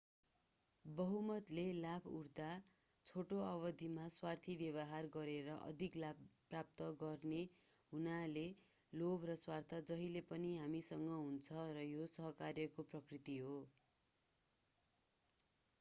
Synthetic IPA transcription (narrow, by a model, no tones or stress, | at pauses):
bʌɦumʌt̪lelabuɾd̪a | t͡sʰoʈoʌβʌd̪ʱimaswart̪ʰibjʌβʌɦarɡʌɾeɾʌʔʌ̰d̪ʱiklabprap̚t̪ʌɡʌrneɦunale | lobrʌswart̪ʰʌd͡zʌɦilepʌniɦamisʌŋɡʌɦunt͡sʰʌɾʌjosʌɦʌkarjʌkoprʌkrit̪iɦo